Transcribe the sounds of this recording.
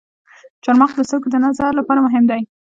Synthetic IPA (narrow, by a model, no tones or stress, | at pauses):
t͡ʃaɾmɑχd̪əst̪awked̪ənazalapɑɾamʊɦɪmd̪aj